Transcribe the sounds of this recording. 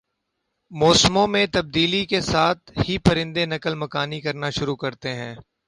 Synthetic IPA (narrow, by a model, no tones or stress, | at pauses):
mɔːsmõmẽt̪ɐb̚d̪iːlikesaːt̪̚ʰhipɐɾɪ̃nd̪enɐkəlmɐkaːnikɐɾnaʃʊɾukɐɾt̪eɦɛ̃ː